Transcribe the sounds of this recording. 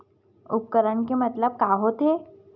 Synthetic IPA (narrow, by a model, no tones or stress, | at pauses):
ʊp̚kəɾəɳk̬emət̪ləb̚kaɦot̪ɦe